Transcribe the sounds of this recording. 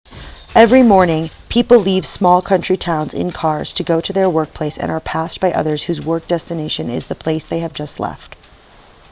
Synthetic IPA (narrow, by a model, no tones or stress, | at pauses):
ɛvɹimɔɹnɪ̃ŋpʰipl̩ˠliv̥smɔlˠkʰʌ̃nt͡ʃɹ̥itʰãʊ̃nzɪ̰̃nkʰɑɹz̥tʰɨɡoʊɾɨðə˞wɜ˞k̚pʰl̥eɪsɨ̰̃nə˞pʰæsb̥aɪʔʌ̰ðə˞z̥hʉzwɜ˞k̚d̥ɛstɨneɪʃɨ̃nɪ̰zðəpʰl̥eɪsðeɪɨvd͡ʒʌstˡlɛ̰ft